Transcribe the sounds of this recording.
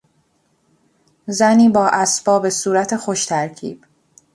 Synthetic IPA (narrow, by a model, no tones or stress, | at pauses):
zæniːbɒːʔæsbɒːbe̞suːɾæt̪ʰe̞xoʃt̪ʰæɾcʰḭːb̥